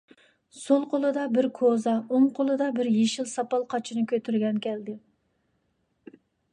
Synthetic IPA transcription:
solˠqolˠɨd̪ɑbɪɾkʰozɑoŋqʰolˠɨd̪ɑbɪɾjeʃilsɑpɑlˠqʰɑt͡ʃʰinɨkʲʰøt̪ʰyɾɡʲɛnkʲʰɛld̪ɪ

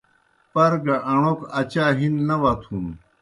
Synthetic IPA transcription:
pɐɾɡɐʔɐɳ̃okɐt͡ɕaːɦinːɐʋɐt̪ʰun

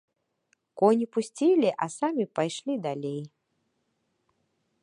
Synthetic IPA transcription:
kɔnʲipusʲt͡sʲilʲiʔɐsamʲipajʂlʲid̪alʲej

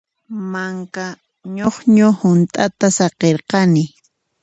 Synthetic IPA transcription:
maŋka | ɲoχɲohʊnt̪ʼat̪asɑqeɾqɑnɪ

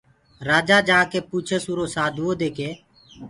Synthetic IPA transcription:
ɾaːd͡ʒaːd͡ʒaːkeːpuːt͡ʃʰəsuːɾoːsaːd̪ʱʋoːd̪eːkeː

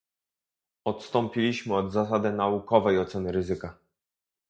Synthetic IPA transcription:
ɔt̪st̪ɔmpʲilʲiɕmɘɔd̪zasad̪ɘnaukɔvɛjɔt̪sɛnɘɾɘzɘka

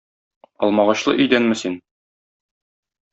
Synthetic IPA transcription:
ɒ̰lˠmɑʁɑɕlˠɤ̰ʔɵ̆jd̪ænmɘsin

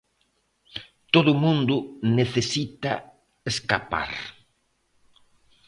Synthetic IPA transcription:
t̪oðʊmũnd̪ʊneθesit̪a̰ | eskapa̰ɾ

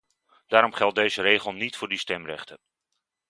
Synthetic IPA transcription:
d̥aːɾɔmχɛlˠt̚dejzərejχəlˠnitfʊːɹdistɛmrɛ̰χtən

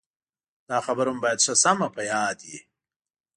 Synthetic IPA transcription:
d̪̥aːxɐbɐɾumbaːjɐd̪ʂɐsɐmɐpɐjaːd̪i

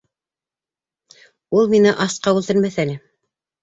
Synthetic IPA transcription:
ulˠminɘʔɑsqɑwʉlt̪ɘɾmæθænɘ

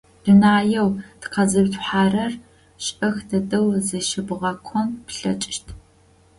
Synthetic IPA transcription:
d̥ɨnaːjɛwtqɐzɨbtʷʰʼħaːrɐr | ɕɐxdɐdɐwzɨʃɪbɨʁɐkʷʰɔmpɬɐ̰t͡ʃʼɪʃtʰ

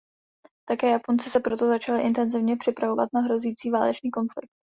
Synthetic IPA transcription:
t̪akɛːjapo̞nt͡sɛsɛpɾo̞t̪o̞zat͡ʃalɪʔɪnt̪ɛnzɪvɲɛpr̝̥ɪpɾavo̞va̰t̪naɦɾo̞ziːt͡siːvaːlɛt͡ʃniːko̞nflɪ̰k̚t̪̚

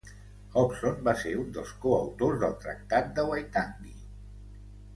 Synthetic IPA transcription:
ɔpsonbaseɾund̪əlˠskoəwt̪ozðəlˠt̪ɾə̰k̚t̪at̪̚d̪əwajt̪andi

